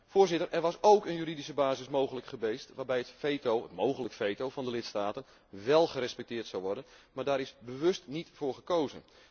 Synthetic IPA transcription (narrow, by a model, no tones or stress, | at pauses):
fʊːɹzɪtərʔɛrʋɑsowkənjyridisəbaːzɪsmowχələkχəʋejstʋaːrbɛjətfejtowətmowχələkfejtowvɑndəlɪtstaːtən | ʋɛlˠχəɾɛspɛk̚tɪːrtsɑwʋɔrdənmaːɹdaːɾɪsbəʋɵstnitfʊːrχəkowzə̰n